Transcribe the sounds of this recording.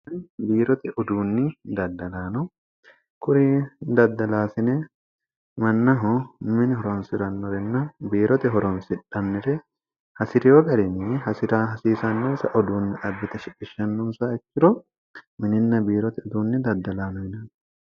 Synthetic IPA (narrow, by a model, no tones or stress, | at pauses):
ɐnbiːɾɔt̪ɛʔɔd̪uːnːɪd̪ɐd̪ːɐlaːnɔ | kʊɾɪd̪ɐd̪ːɐlaːsɪne | mɐnːɐɦɔmɪnɪɦɔɾɔnsɪɾɐnːɔɾɛnːɐbiːɾɔt̪ɛɦɔɾɔnsɪᶑɐnːɪɾɛ | hɐsɪɾɪjoɡʼɐlɪnɪhɐsɪɾɐɦɐsiːsɐnːɔnsɐʔɔd̪uːnːɪᶑɐbːɪt̪ɐʃɪkʼːɪʃːɐnːɔnsɐɛt͡ʃːɪɾɔ | mɪnɪnːɐbiːɾɔt̪ɛɔd̪uːnːɪd̪ɐd̪ːɐlaːnɔhɪnɐn